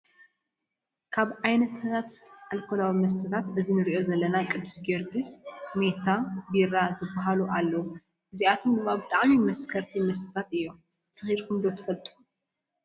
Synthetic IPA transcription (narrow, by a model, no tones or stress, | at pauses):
kʰaβʕajnɐt̪ʰat̪ʕalkʰolawimɐs̬t̪ʰɐt̪ʰat̪ɨzinɨɾiʔo̞zɐlːɐnakʼɨd̪ɨsɡoɾɡɨsme̞t̪ʰabiɾazɨbːaɦaluʔalːɐwu | ʔɨziat̪ʰomɡɨβabɨt̪ʼaʕmimɐskʰɐɾt̪ʰimɐs̬t̪ʰɨ̥t̪ʰat̪ɨjːo̞m | sɨxiɾkʰumd̪o̞t̪ʰɐ̥fɐlt̪ʼu